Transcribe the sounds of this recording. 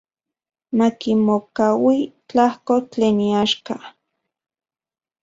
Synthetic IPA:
makimokawit͡ɬahkot͡ɬeːniaʃka

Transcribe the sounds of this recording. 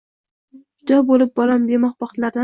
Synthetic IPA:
d͡ʒʊd̪ɒbolɪp̚bɒlambemɒχbɑχt̪laɾd̪a

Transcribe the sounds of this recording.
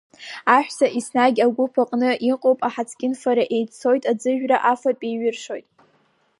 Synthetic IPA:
aħʷᶣsaʔisnaɡʲaɡʷʊpʰaqʼnɨʔiqʼowpʼaħat͡sʰkʲʼɪnfaɾaʔe̞jt͡sʰo̞jtʼad͡zɨʒᶣraʔafatʼejɥɪrʂo̞jtʼ

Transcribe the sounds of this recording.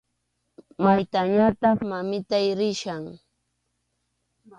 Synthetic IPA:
majt̪aɲat̪ɑχmamɪt̪ajɾɪʃaŋ

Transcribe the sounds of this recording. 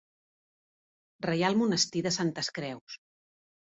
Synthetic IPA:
rəjalˠmunəst̪iðəsant̪əskɾɛws

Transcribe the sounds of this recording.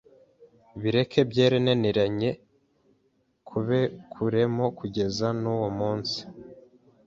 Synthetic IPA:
βiɾe̞kʰe̞bɟe̞ːɾeneneɾaɲe̞ | kʰuβe̞kʰuɾe̞mo̞kuɟe̞zanuwomuːnsi̥

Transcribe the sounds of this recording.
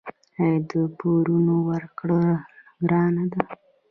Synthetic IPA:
ajd̪əpʰoɾunowəɾkɽoɡɾɑnad̪a

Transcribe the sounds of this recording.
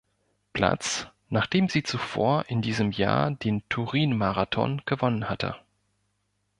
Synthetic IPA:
pl̥a̰t͡s | naːχd̥eːmziːt͡sufo̰ːɐʔɪndiːzəmja̰ːɐd̥eːntʰuʁiːnmaʁatʰɔ̰nɡ̥əvɔnənhatʰə̰

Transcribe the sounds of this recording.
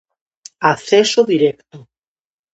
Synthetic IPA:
aθesoðiɾekt̪o

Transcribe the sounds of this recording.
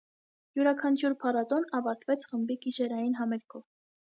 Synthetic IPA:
juɾɑkʰɑnt͡ʃʰuɾpʰɑɾɑt̪ɔnɑvɑɾt̪vɛt͡sʰχəmbikiʃɛɾɑjinɦɑmɛɾkʰɔv

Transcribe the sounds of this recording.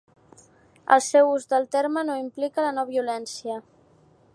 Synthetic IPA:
ə̰lˠsɛwuzd̪əlˠt̪eɾmənoimplikələnɔβiulɛnsiə

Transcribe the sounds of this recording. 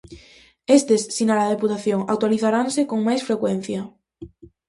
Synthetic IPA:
est̪esːinalað̞eput̪aθjoŋakt̪waliθaɾansekoŋmajsfɾekwen̟θja

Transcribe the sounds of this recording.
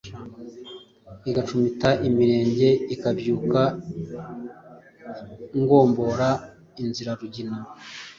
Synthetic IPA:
iɡat͡ʃumitaʔimiɾe̞ːɲɟe̞ikabjuːka | ŋɡo̞ːmbo̞ɾa | inziɾaɾuɟina

